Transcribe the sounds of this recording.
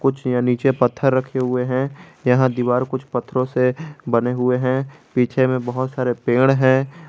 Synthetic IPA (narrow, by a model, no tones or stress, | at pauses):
kʊt͡ʃʰjaniːt͡ʃepɐt̪ʰːəɾːɐkʰeɦʊeɦɛ̃jɐɦãd̪iʋaːɾkʊt͡ʃʰpət̪ʰːɾõsebɐneɦʊeɦɛ̃ | piːt͡ʃʰemẽbɐɦʊt̪saːɾepeːɽ̃ɦɛ̃ː